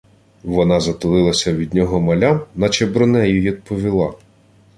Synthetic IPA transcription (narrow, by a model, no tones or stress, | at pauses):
ʋɔnɑzɐt̪ʊlˠɪlˠɐsʲɐʋʲid̪ʲnʲɔɦɔmɐlʲamnɐt͡ʃebɾʊnɛjʊjid̪̚pɔʋʲilˠɑ